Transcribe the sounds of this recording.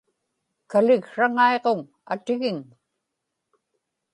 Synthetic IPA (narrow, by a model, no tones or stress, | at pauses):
kalɪɣʂaŋaeʁoŋ | a̰t̪ɪɣɪŋ